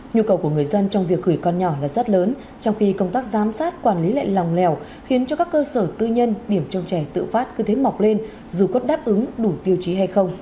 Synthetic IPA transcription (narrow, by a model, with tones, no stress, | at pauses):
ɲu˧kə˨˩wku˧˩əŋɨ˨˩əjzə˧nt͡ɕɔ˧wŋ͡mvi˨˩ək̚ɣɨ˧˩kːɔ˧nɲɔ˧˩laː˨˩zə˦˥t̚ləː˨˦n | t͡ɕɔ˧wŋ͡mxi˧kə˧wŋ͡mt̪aː˦˥k̚zaː˨˦msaː˦˥t̚kwaː˧˩nli˨˦la̰˧˨jla˨˩wŋ͡mlɛ˨˩w | xi˨˦ənt͡ɕɔ˧kaː˦˥kːəː˧səː˧˩t̪ɨ˧ɲə˧nɗi˧˩əmt͡ɕə˧wŋ͡mt͡ɕɛ˧˩t̪ɨ̰˧˨faː˦˥t̚kɨ˧˦t̪ʰe˨˦ma˨˩wk͡p̚le˧n | zu˨˩kɔ˨˦ɗaː˦˥p̚ʔɨ˨˦ŋɗu˧˩t̪i˧əwt͡ɕi˨˦ɦa˧jxə˧wŋ͡m